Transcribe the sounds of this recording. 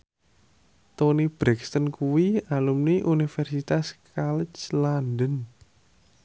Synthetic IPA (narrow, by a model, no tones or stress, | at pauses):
t̪onib̥ɾɛkst̪ənkuwialumniʔunifɛrsit̪askalət͡ʃlandən